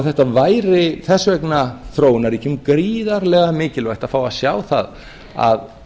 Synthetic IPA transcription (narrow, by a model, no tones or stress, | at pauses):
wθɛht̪avaːjɾɪθɛsːvɛknaθɾoːwnaɾicʰʏmkɾiːðaɾlɛɣamɪːcɪlvajht̪aðfaːwaðsjaːwθa̰ð | a̰ð